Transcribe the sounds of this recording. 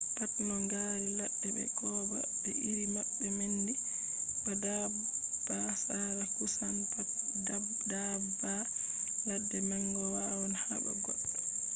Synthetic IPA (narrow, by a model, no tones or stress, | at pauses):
patmaŋɡaːɾiladːɛɓɛ̰kʰɔːba̰ | ɓɛ̰ʔiɾimabːɛmendi | bada | b̥asaɾakusanpat | daba | ladːɛmaŋɡɔwawɔnhaba̰ɡɔ̰ɗ